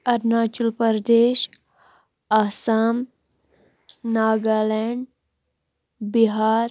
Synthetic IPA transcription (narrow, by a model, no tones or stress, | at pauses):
ɐɾnaːt͡ʃulpəɾd̪eːʃ | asam | naːɡaːlɛɳɖ | biɦaːɾ